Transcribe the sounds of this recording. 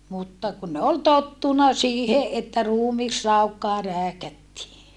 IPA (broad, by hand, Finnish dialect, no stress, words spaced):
mutːɑ kun ne ol totːunɑ siːhe ʔetːæ ruːmisrɑukːɑː ræːkætːiː